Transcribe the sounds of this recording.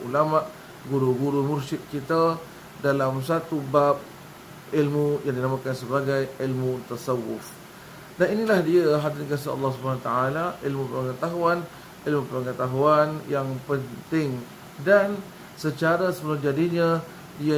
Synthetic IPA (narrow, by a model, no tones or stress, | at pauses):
ulamaʔ | ɡuɾuɡuɾumursɪt̪̚kit̪a | dalamsat̪ubap̚ | ilmujaŋdinamakansəbaɡajilmut̪asawʊ̰f | daninilahdiaɦad̪ɪnkas̬iɑ̰lːɑhs̬ubanat̪aalaʔilmupəɾəŋət̪aɦuan | ilmupəəŋət̪aɦuanjaŋpənt̪ɪŋ | dan | sət͡ʃaɾasəbəlad͡ʒadiɲã | dia